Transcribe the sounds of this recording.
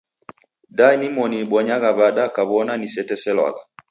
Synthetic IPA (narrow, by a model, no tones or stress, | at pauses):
dainimɔnibɔɲaɣaβaɗakaβɔnanisɛtɛsɛlwa̰ɣa